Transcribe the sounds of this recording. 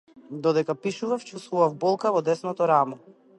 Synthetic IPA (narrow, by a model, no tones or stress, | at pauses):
d̪ɔd̪ɛkapiʃuvaft͡ʃust̪vuvavbɔlˠkavɔd̪ɛsnɔt̪ɔɾamɔ